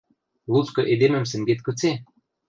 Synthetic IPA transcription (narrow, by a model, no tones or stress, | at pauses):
lˠut͡skɤ̆ʔed̪emɘ̆ms̬ɘ̆ŋɡet̪̚kɵ̆t͡se